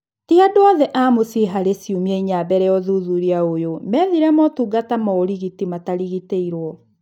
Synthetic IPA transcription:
tiadoɔðɛʔamosiɦaɾesjumiɛiɲabɛɾɛjɔðuðuɾiaojomɛðiɾɛmɔtuːɡatamɔoɾiɣitimataɾiɣiteiɾwɔ

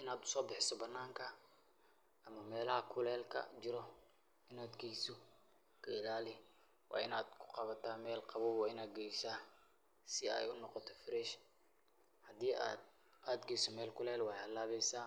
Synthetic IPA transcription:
ʔɪnaːd̪ʊ̥sɔːbɪħɪsɔbɐnːaːŋkʰɐ | ʔɐmɐmɛːlɐɦɐkʰʊlɛːlkʰɐ̰d͡ʒɪɾɔ | ʔɪnaːd̪ɡɛjsɔ | kʰɐɪlaːlɪ | wʔɑ̰ːɪnaːd̪kʰʊ̥qɑβɐt̪ʰaːmɛːlqɑβuːwɑɪnaːd̪̚ɡɛjsaː | sɪɛ̰jʊnɔqɔt̪ʰɔ̥fɾɛʃ | hɐd̪iːʔa̰ːd̪̚ | ʔaːd̪ɡɛjsɔmɛːlkʰʊlɛːlwɑħlaːβɛjsaː

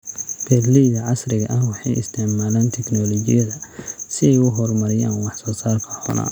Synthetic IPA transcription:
b̥ɛd̪lɛjðɐʕɑsrɪɣɐʔɐhwɑħɑjɪ̰st̪ʰɪʕmaːlaːnt̪ʰɛknɔlɔːt͡ʃɪjɐðɐsɪɛjʊɦɔrmɐɾɪja̰ːnwɑħsɔːsaːrkʰɐ̥ħɔ̰na̰ː

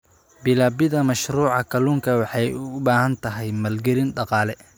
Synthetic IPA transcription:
bɪlaːbɪðɐmɐʃruːʕɑkʰɐluːŋkʰɐwɑħɑjʊbaːɦɐnt̪ʰɐɦɛjmɐlɡɛlɪnɖɑqɑːlɛ

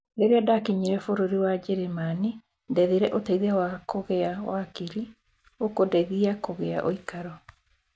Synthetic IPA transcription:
ɾeɾeadakiɲiɾɛfoɾoɾiwad͡ʒɛɾemani | ndɛðiɾɛʔotɛiðɛwakoɣɛawakiɾi | okodɛðiakoɣɛa̰ʔoikaɾɔ

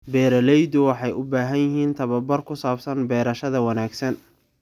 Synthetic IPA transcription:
bɛːɾɐlɛjd̪ʊwɑħɑjʊbaːɦɐnjɪɦiːnt̪ʰɐβɐbɐrkʰʊsaːbsɐnbɛːɾɐʃɐðɐwɑnaːɡsɐn

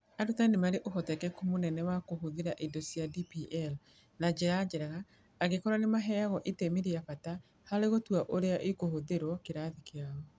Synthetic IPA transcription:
aɾutanemaɾeʔoɦɔtɛkɛkomonɛnɛwakoɦoðeɾaʔidosjadipiʔɛl | nad͡ʒead͡ʒɛɾɛɣaː | ɣekɔɾanemaɦɛaɣɔʔetemeɾeafata | haleɣotuaʔoɾeaʔekohoðeɾwɔkeɾaðikeaɔ

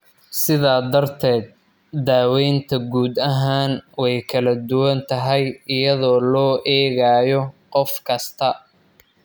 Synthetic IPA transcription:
sɪðaːd̪ɐrt̪ʰɛːd̪̚ | d̪aːwɛjnt̪ʰɐɡuːd̪ɐɦaːnwɛjkʰɐlɐd̪ʊwɐnt̪ʰɐɦɛjɪjɐðɔːlɔːʔɛːɣaːjɔqɔfkʰɐst̪ʰɐ

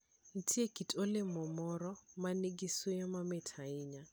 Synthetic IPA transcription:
n̩tʰiekitʼolemɔmɔɾɔmaneɡisujɔmamɛtʰaɪɲa

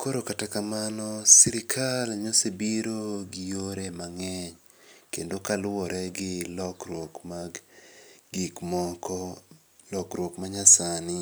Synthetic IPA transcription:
koɾokatakamanɔsiɾɪkʰalɲosebiɾoɡɪjoɾemaŋɛɲ | kḛndokalwɔɾʔɛɡɪlɔkrwokmaɡ | ɡikmɔkʰɔ | lɔkɾwokmaɲasanɪ

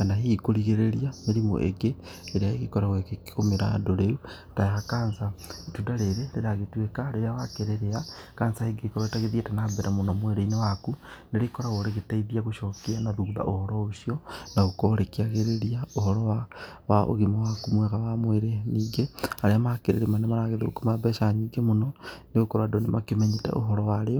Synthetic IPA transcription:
anaɦikoɾiɣeɾeɾiameɾimo̰ʔḛɡeː | ɾiaeɣikoɾaɣekekikomeɾa̰doɾeu | taexakaːnsaetudaleɾeleɾaɣetwekaɾeɾawakeɾeɾeakaːnsaheɡeikoɾaitaɣeðjetanabeɾamonomweɾeinewakuneɾikoɾaɣoɾeɣitaiðiaɣuʃokianaðuβa̰ʔohoɾoosjonaɣukoɾekiaɣeɾeɾiaohoɾowawaʔo̰ɣimawakumweɣawamweɾeniɡeaɾeamakeɾḛɾemanemaɾaɣeðeukumabeʃaɲiɡemunoneɣukoɾadonemakimeɲitḛʔo̰ɦoɾowaɾejo

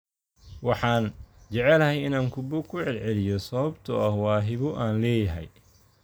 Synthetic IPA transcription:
wɑħɑːnt͡ʃɛʕɛlɐɦɛjɪnaːŋkʰʊbʊkʰʊʕɛlʕɛlɪjɔsɐβɐbt̪ʰʊɐhwɑːɦɪβʊʔaːnlɛːjɐɦɛ̰j

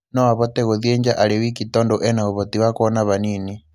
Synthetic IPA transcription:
nɔaβɔtɛɣoðiɛɲd͡ʒaʔalewikitɔndoʔɛnaoβɔtiwakoɔnaβanini

